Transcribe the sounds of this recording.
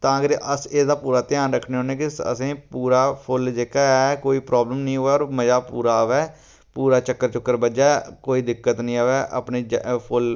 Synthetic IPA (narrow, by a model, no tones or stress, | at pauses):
t̪ãːɡəɾʔəseːd̪aːpuːɾaːt̪ɪjãːnɾəkʰːneːɦoːnẽːkɪsə̰sẽːpuːɾaːpʰʊld͡ʒeːkaːɛkoːiːpɾɔːbləmnəĩːɦoːɛːɔːɾməd͡ʒaːpuːɾaːʋɛː | puːɾaːt͡ʃəkːəɾt͡ʃʊkːəɾbəd͡ʒaːkoːiːd̪ɪkːət̪nəĩːaːʋɛːʔə̰pneːd͡ʒpʰʊl